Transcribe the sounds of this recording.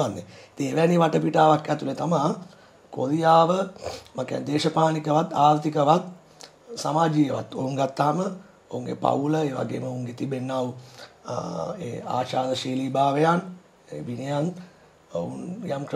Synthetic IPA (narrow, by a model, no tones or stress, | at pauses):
anːḛit̪iŋeʋæniʋaʈəpiʈaːʋakɛt̪ulet̪amaː | ko̰ɾijaːʋəmaka̰nd̪eːʃəpaːnikəʋat̪aːɾt̪ikəʋat̪ | samaːd͡ʒijəʋat̪o̰uŋɡat̪ːaːmə | ouŋɡḛpa̰uləeːʋa̰ɡḛːməouŋɡet̪ibenːau | eːa̰ːʃaːd̪əʃiːliːbaːʋejan | eʋinijan | ounjamk